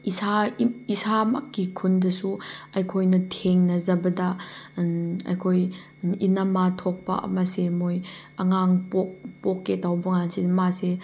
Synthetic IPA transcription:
isaisamakːikʰundɐsuɐjkʰojnɐtʰeŋnɐzɐbɐda | ɐ̰jkʰoj | inamatʰɔk̚pɐ̰ʔɐ̰masemojɐŋaŋpok̚pɔkːetawbɐŋansemase

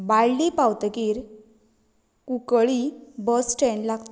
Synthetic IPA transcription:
bajlipawt̪ekiːɾ | kukɭibəsʈʰẽɳɖlaɡt̪

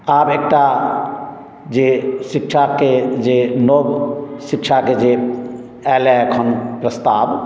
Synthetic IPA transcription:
aːbek̚ʈa | d͡ʒesikʃʰaked͡ʒenobsikt͡ʃʰaked͡ʒe | ɛːlɛkʰɔnpɾəst̪aːb

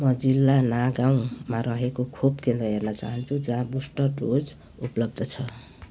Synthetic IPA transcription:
mʌd͡zilːanaɡaw̃maɾʌɦekokʰub̚kend̪rʌɦernʌt͡saɦʌnt͡sʰũd͡zãbusʈʌʈod͡z | uplʌb̚d̪ʱʌt͡sʰʌ

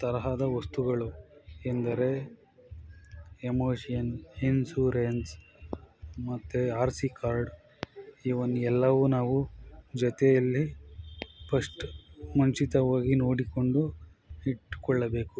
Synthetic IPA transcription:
t̪ɐɾɐɦaːd̪ɐʋɐst̪uɡɐɭuend̪ɐɾe̞ | emoːʂijɐninsuːɾens | mɐt̪ːeaːɾsikaːɾɖ | iːʋond̪uɛlːɐʋunaːʋud͡ʒɔt̪ɛjɐlːi | pʰɐʂʈmuɲt͡ʃit̪ɐʋaːɡinoːɽikoɳɖu | iʈːkɔɭːɐbe̞ːku

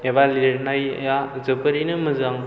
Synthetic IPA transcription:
eβaliɾnajə̰jazɯbəɾinɯmɯzaŋ

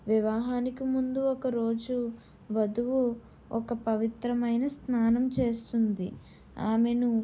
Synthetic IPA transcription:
ʋiʋaːɦaːnikimund̪uɔkɐɾo̞ːd͡ʒu | ʋɐd̪uʋu | ɔkɐpɐʋit̪ɾɐmɐjnɐsnaːnɐmt͡ʃe̞ːst̪und̪i | aːme̞nu

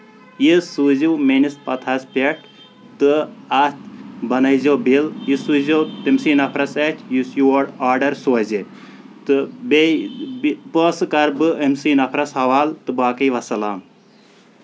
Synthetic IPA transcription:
jisuziwmenispɐt̪ʰaspʲeʈʰ | t̪ɨat̪bɐnɐjzoːbiljisuzoːt̪emsiːnɐpʰɾɐsetʰʲjusjuwoɖaːɾɖɐɾsuɐze | t̪ɨbe | poːsɨkɐɾbɨemsiːnɐpʰɾɐsɦɐʋaːlt̪ɨbaːkɐjʋɐsɐlaːm

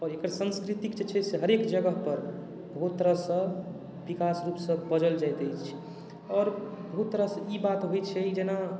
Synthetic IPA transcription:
ɔːɾekəɾsə̃nskɾit̪ikd͡ʒet͡ʃʰɛseɦəɾekd͡ʒəɡəɦpəɾ | bəɦut̪tːəɾəɦsə̃ | bikasɾupsə̃bəd͡ʒəld͡ʒajt̪əjt͡ʃt͡ʃʰi̥ | ɔːɾbəɦut̪ːəɾəsə̃ibat̪ɦojt͡ʃʰɛid͡ʒena

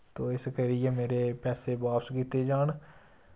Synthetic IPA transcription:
t̪oːɪskəɾijeːmeːɾeːpɛːseːbaːpskiːt̪eːd͡ʒaːɳ

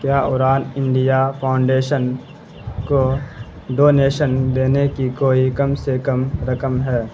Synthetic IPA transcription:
kjaːʊɾaːnɪ̃ɳɖijapʰaːʊ̃ɳɖeːʃən | ko | ɖoːneːʃənd̪eːnekikoːikɐmsekɐmɾɐkəmɦɛː

